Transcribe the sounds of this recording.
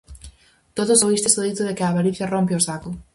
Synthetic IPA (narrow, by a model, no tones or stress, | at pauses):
t̪oðosoβist̪esoðit̪ʊðekɪaːβaɾiθjarompeosakʊ